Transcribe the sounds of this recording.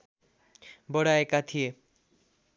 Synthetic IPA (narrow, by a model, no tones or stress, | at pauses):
bɔɽaekat̪ʰije